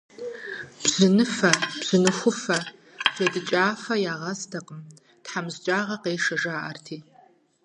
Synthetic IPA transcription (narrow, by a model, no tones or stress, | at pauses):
b̥z̥ɨnɨfɐb̥z̥ɨnɨxʷʊfɐ | jɐdɨt͡ʃʼaːfɐjaːʁɐstʰɐqəm | tħamzt͡ʃʼaːʁɐqeːʂɐʒaːʔɐ̰rtʰiː